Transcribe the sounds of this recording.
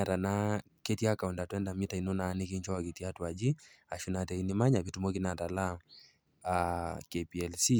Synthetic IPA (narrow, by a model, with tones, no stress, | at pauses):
a˨ta˨na˦ | kɛ˦tiaka˨u˨nda˨tuwɛnda˨mita˨i˨nɔ˦na˨ni˦ki˦ɲt͡ʃɔ˦a˨ki˨ti˦a˦tu˨a˨d͡ʒi˦ | a˨ʃuna˨tɛ˨i˦nima˦ɲa˨βi˦tu˨mɔ˦ki˦na˨ta˨la˦ | akɛpiɛ˨lsi˦